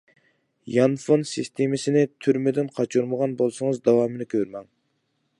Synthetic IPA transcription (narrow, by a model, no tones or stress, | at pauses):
jɑnfonsist̪ʰemɪsɪnɪt̪ʰyɾmed̪ɪnqʰɑt͡ʃʰuɾməʁɑnbolˠsɨŋɨzd̪ɑwɑːmɨnɪkʲʰøɾmɛŋ